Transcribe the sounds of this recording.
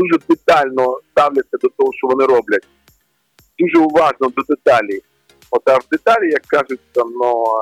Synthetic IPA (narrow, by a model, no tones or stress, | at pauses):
uʒɛd̪ɪt̪alʲnɔst̪awlʲɐt͡sʲːɐd̪ɔt̪ɔɦɔʃt͡ʃɔʋɔnɪɾɔblʲɐtʲ | d̪̥uʒɛʊʋɑʒnɔd̪ɔd̪ɪt̪alʲiji | ɔt̪ɐwd̪ɪt̪alʲijɐkːazʊtʲsʲɐnu